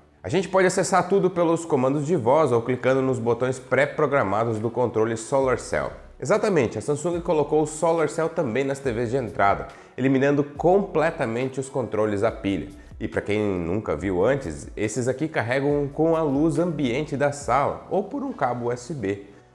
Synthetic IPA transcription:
aʒẽnt͡ʃɪ̥pɔd͡ʒɪasesaɾt̪ud̪ʊpelʊskomɐ̃nd̪ʊzd͡ʒɪvɔzowklikɐ̃nd̪ʊnʊzbot̪õj̃spɾɛpɾoɡɾamad̪ʊzd̪ʊkõnt̪ɾolɪsolaɾsɛ̰w | ezat̪ɐmẽnt͡ʃɪɐsɐ̃sũŋɡʲɪkolokowʊsolaɾsɛwt̪ɐ̃mbẽj̃nɐst̪evezd͡ʒɪẽnt̪ɾʔad̪ɐ̰ | eliminɐ̃nd̪ʊkõplɛt̪ɐmẽnt͡ʃɪʊskõnt̪ɾolɪzd̪ɐpiʎɐ̰ | ɪpɾɐkẽj̃nũŋkɐ̰viwɐ̃nt͡ʃɪ̰sesɪzakikaɦɛɡɐ̃w̃kõw̃ɐluzɐ̃mbiẽnt͡ʃɪd̪ɐsalɐ̰owpoɾũkabʊɛsɪbe

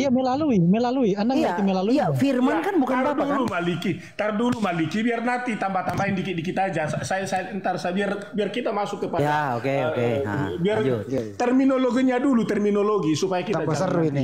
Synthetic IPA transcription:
ijamelaluimɛlaluiandakaimɛlaluifirmankanbukanadulumaliki | t̪aɾdulumalikibiarnant̪it̪ambat̪ambaɪndikɪdikit̪aːd͡ʒasasajasaant̪arsabiarbiarkit̪amasʊkːəpajdaaokeoebiart̪ɛrminoloɡiɲadulut̪ɛrminoloɡisupajakit̪aaasərini

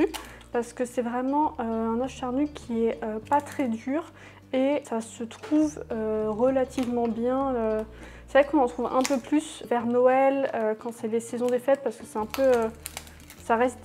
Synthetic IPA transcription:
y | paʁsə̥kəsɛvʁɛmɑ̃ʔøɛ̃naʒʃaʁnykʲʰiɛʔøpat̪χɛd̪yːʁ | esasət̪χuvøʁəlat̪ʰivmɑ̃bjɛ̃ø | sevʁɛkɔ̃nɑ̃t̪χuvɛ̃pøplysvɛʁnɔɛløkɑ̃sɛlesɛzɔ̃d̪efɛt̪̚paʁsə̥kə̥sɛɛ̃pøø | saʁɛst̪

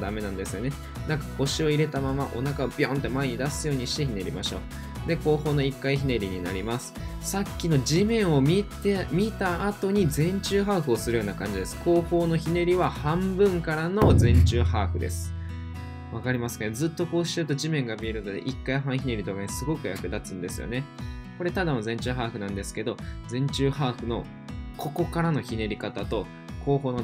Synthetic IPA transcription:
d̪ame̞nãnd̪e̞sɨjone̞ | nãŋkḁko̞ɕio̞iɾe̞t̪amamaʔo̞nakaobʲõnt̪ːe̞maeɲ̟id̪asɨjo̞ːɲ̟iɕi̥t̪e̞çine̞ɾʲima̰ɕo̞̰ː | d̪e̞ko̞ːho̞ːno̞ikːaiçine̞ɾʲiɲ̟ina̰ɾʲimasɨ̥ | sakʲːino̞d͡ʑimẽ̞ɰ̃o̞mʲitemʲit̪aːt̪o̞ɲ̟izẽ̞ɲ̟t͡ɕɨːɦaːɸɯ̟o̞sɨɾɯ̟jo̞ːnakãɲ̟d͡ʑid̪e̞sɨ̥ko̞ːho̞ːno̞çine̞ɾʲiβahãmbɯ̟̃ŋkaɾano̞zẽ̞ɲt͡ɕɨːhaːɸɯ̟d̪e̞̰sɨ̥ | βakaɾʲimasɨ̥kaned͡zzɨːt̪ːo̞ko̞ːɕi̥t̪eɯ̟t̪o̞ʑimẽ̞ŋɡamʲie̞ɾɯ̟nod̪e̞̰ʔikːaiɦãɰ̃çʲine̞ɾʲit̪okansɨɡo̞kɯ̟ja̰kɯ̟d̪at͡sɨ̃nd̪e̞sɨ̰jo̰ne̞ko̞ɾe̞t̪ad̪anzẽ̞ɲ̟t͡ɕɨːɦaːɸɯ̟nãnd̪e̞sɨ̥ke̞d̪o̞d͡zẽ̞ɲ̟t͡ɕɨːhaːɸɯ̟no̞̰ | kʰo̞ko̞kaɾano̞çine̞ɾʲikat̪at̪o̞ | ko̞ːɦo̞ːno

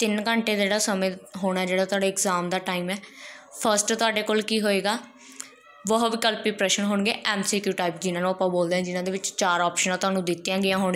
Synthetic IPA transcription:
t̪ɪnkəɳʈeːd̪eːɽaːsəmẽːɦoːɽ̃ɛːd͡ʒeːɽaːt̪ʊaːɖeːɪkzaːmd̪aːʈaːiːmɛː | pʰəɾsʈt̪ʊaːɖeːkoːlkiːɦoːeːɡaː | ʋəɦoʋɪkəlpiːpɾɛːʃənɦoːɳɡḛːʔɛːmsiːkjuːʈaːiːpd͡ʒɪnãːnũːpːãːboːld̪eːɛ̃ːd͡ʒɪnãːd̪eːʋɪt͡ʃt͡ʃaːɾɔːpʃənãːt̪ʊɦaːnũːd̪ɪt̪ːjãːɡɪjãːɦoːɳ

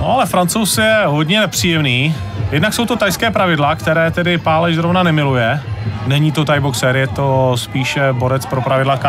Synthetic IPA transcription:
noalɛfɾant͡sowsɪjɛɦo̞dɲɛnɛpr̥iːjɛmniː | jɛdnakso̞wt̪o̞t̪ajskɛːpɾavɪdlakt̪ɛɾɛːt̪ɛdɪpaːlɛʒzɾovnanɛmɪlujɛnɛɲiːt̪o̞t̪ajboksɛɾjɛt̪o̞spiːʃɛbo̞ɾɛt͡spɾopɾavɪdlaka

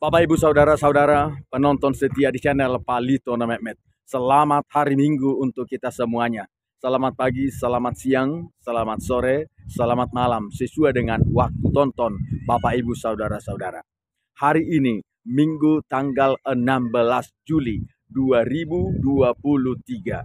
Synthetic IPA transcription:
b̥apaibusaudaɾasaudaɾapənɔnt̪ɔnsət̪iadit͡ʃanɛlpalit̪ɔnamɛmɛt̪̚ | səlamat̪̚haɾimiŋɡuːnt̪ʊkːit̪asəmuaɲa | səlamat̪̚paɡisəlamat̪̚siaŋsəlamat̪̚soɾɛsəlamat̪̚malamsəsuadəŋanwak̚t̪ut̪ɔnt̪ɔnbapaibusaudaɾasaudaɾa̰ | haɾiʔːni | miŋɡut̪aŋɡalənambəlasd͡ʒuli | duaɾibuduapuluht̪iɡa

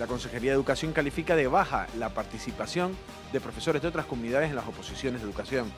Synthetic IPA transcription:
lako̞nse̞xe̞ɾiaðeukasjo̞ŋkalifikaðeβ̞axa̰lapaɾt̪isipasjo̞n | d̪e̞pɾo̞fe̞so̞ɾezðet̪ɾasko̞mũniðaðese̞nlasopo̞sisjo̞nezðe̞ðukasjo̞ŋ

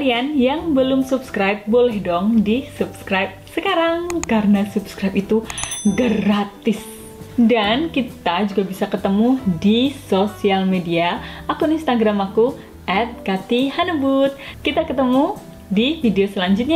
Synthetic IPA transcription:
alianjaŋbəlʊmsupskɾajp̚bolɛhdɔŋdisup̚skɾajp̚səkaɾaŋkaɾənasupskɾajpit̪uɡəɾat̪ɪs | dankit̪ad͡ʒuɡabisakət̪əmudisosialmediaakuninst̪aɡɾamaku | ʔɛt̪̚kat̪ihanəbut̪̚kit̪akət̪əmu | difideosəlaɲd͡ʒʊt̪̚ɲa

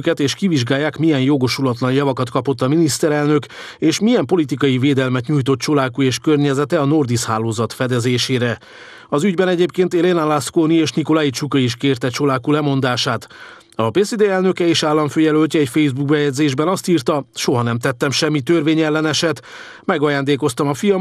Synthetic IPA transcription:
kɛt̪eːʃkiviʒɡaːjːaːkmijɛnjo̞ɡo̞ʃulɒt̪lɒnjɒvɒkɒt̪kɒpo̞t̪ːɒminist̪ɛɾɛlnø̞k | eːʃmijɛmpo̞lit̪ikɒjiveːd̪ɛlmɛt̪ɲuːjt̪o̞t̪t͡ʃolaːkueːʃkø̞rɲɛzɛt̪ɛɒno̞rd̪isha̰ːloːzɒt̪fɛd̪ɛzeːʃeːɾɛ | ɒzyɟbɛnɛɟeːpkeːnt̪elenalaskoːnieːʃniko̞lajit͡ʃukɒiʃkeːrt̪ɛt͡ʃolaːkulɛmo̞nd̪aːʃaːt̪ | ɒbeːsid̪eːɛlnø̞kɛeːʃaːlːɒɱføːjɛlølʲcɛːcfejzbuɡ̚bɛjɛɟʲzeːʒbɛnɒst̪iːrt̪ɒʃo̞ɦɒnɛmt̪ɛt̪ːɛmʃɛmːit̪ørveːɲɛlːɛnɛʃɛt̪ | mɛɡɒjaːnd̪eːko̞st̪ɒmɒfijɒm

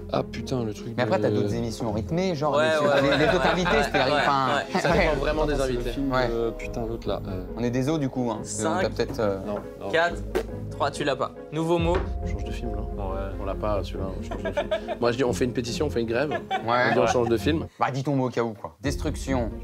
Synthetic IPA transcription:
a̰pyt̪ɛ̃lət̪χyk̚mɛapχɛt̪yad̪ot̪zemisjɔ̃ʁit̪meʒɑ̃ʁɛleled̪ot̪χɛ̃vit̪ek̪ilaʁivpãwɛsaɛɑ̃vʁɛmɑ̃d̪ezɛ̃vit̪eiwɛpy̥t̪ɛ̃zot̪la̰ʔøɔ̃nɛd̪ezod̪ykuɛ̃sɛ̃apø̥ət̪ɛt̪χønɔ̃ | kat̪χ | t̪χwat̪ylapa̰ | nuvomoɔ̃ʃɑ̃ʒd̪əfilmnɔ̃ɔ̃lapasyvaɔ̃ʃɑ̃ʒd̪əfimmwaʒəd̪iɔ̃fɛynpet̪̬isjɔ̃ɔ̃fɛynɡʁɛvwɛd̪iɔ̃ʃɑ̃ʒd̪əfilmbad̪it̪ɔ̃mokʲaukwad̪ɛst̪χyksjɔ̃

